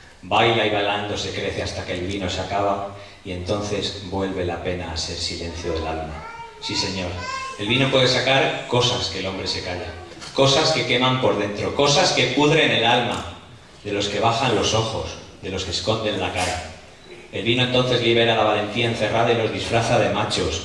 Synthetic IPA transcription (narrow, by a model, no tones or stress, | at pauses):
bajɣaiβ̞ajland̪o̞se̞kɾe̞θe̞ast̪ake̞ːlβino̞sakaβa | ie̞nt̪o̞nθe̞zbwe̞lβe̞lape̞naːse̞ɾsilẽ̞n̟θjoð̞e̞lalma | sise̞ɲo̞ɾe̞lβino̞pwe̞ð̞e̞sakaɾko̞saske̞ːlo̞mbɾe̞se̞kaʎa | ko̞saske̞ke̞mãmpo̞ɾð̞e̞nt̪ɾo̞ko̞saske̞kuðɾe̞ne̞lalma | ðe̞lo̞ske̞β̞axanlo̞so̞xo̞̰s | ðe̞lo̞ske̞sko̞nd̪e̞nlakaɾa | e̞lβinoe̞nt̪o̞nθe̞zliβeɾalaβale̞nt̪iae̞nθe̞raðaino̞zðisfɾaθaðe̞mat͡ʃo̞s